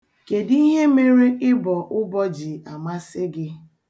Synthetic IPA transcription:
ke˨di˦ɦe˦me˦ɾi˦ʔɪ˦bɔ˨ʔʊ˦bɔ˦d͡ʒi˨a˨ma˦sɪ˦ɡɪ˦

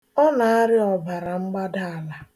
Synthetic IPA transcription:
ɔ˦na˨a˦ɾɪ˦ɔ˨ba˨ɾa˨ŋ͡m̩˦ɡ͡ba˦da˦a˨la˨

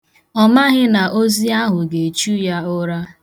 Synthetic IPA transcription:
ɔ˦ma˦ɣɪ˦na˨ʔo˦zi˦a˦ɦʊ˨ɡe˨t͡ʃu˦ja˦ʊ˦ɾa˦

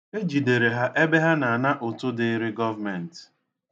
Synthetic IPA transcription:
e˦d͡ʒi˨de˨ɾe˨ɦa˦ʔe˦be˦ɦa˦na˨na˦ʔo˨tʊ˦dɪ˦ɾɪ˦ɡɔ˦va˦mɛ˨n̩˨t

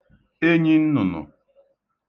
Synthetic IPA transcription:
e˦ɲi˦n̩˦nʊ˨nʊ̰˨

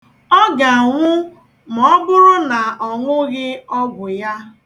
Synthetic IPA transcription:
ɔ˦ɡa˨ŋʷʊ˦ | mɔ˦bʊ˦ɾʊ˦na˨ʔɔ˨ŋʷʊ˦ɣɪ˦ɔ˦ɡʷʊ˨ja˦

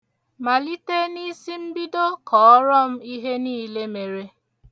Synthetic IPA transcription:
ma˨li˦te˦ni˦si˦m̩˦bi˦do˦kɔ˨ɔ˦ɾɔ˦m̩˦i˦ɦe˦niː˦le˦me˨ɾe˦

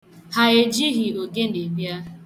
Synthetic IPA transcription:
ha˨e˨d͡ʒi˦ɣi˨o˨ɡe˦ne˨ɡ͡bja˦

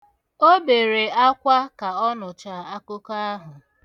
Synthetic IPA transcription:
o˦be˨ɾe˨a˦kʷa˦ka˨ɔ˦nʊ˨t͡ʃa˨a˦kʊ˦ka˦a˦ɦʊ˨

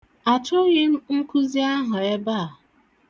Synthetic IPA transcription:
a˨t͡ʃʊ˦ɣe˦m̩˦ŋ̩˦kʊ˦zi˦a˦ɦʊ˨e˦ba˦˨

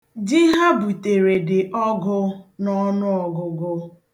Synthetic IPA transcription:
dɪ˦ɦa˦bu˨te˨ɾe˨dɪ˨ʔɔ˦ɡʊ˦nɔ˦nʊ˦ɔ˨ɡʊ˨ɡʊ˦

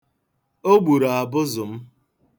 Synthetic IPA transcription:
o˦ɡ͡bu˨ɾa˨a˨bʊ˦zʊ˨m̩˦

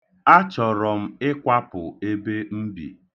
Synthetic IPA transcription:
a˦t͡ʃɔ˨ɾɔ˨m̩˦ɪ˦kʷa˦pʊ˨e˦be˦m̩˦bḭ˨

